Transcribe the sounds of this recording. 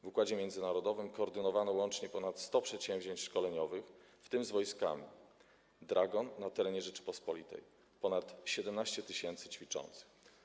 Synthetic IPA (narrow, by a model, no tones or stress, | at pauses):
vukwad͡ʑɛmʲjɛnd̪zɘnaɾɔd̪ɔvɘmkɔːɾd̪ɘnɔvanɔwɔnt͡ʂɲɛpɔnat̪st̪ɔpʂɛt̪ɕɛw̃vʑeɲt͡ɕʂkɔlɛɲɔvɘx | ft̪ɘmzvɔjska̰mʲi | d̪ɾaɡɔnːat̪ɛɾɛɲɛʐɛt͡ʂɘ̥pɔspɔlʲit̪ɛ̰j | pɔnat̪ɕɛd̪ɛmnaɕt͡ɕɛt̪ɘɕɛnt̪sɘt͡ɕfʲit͡ʂɔ̰nt̪sɘ̥x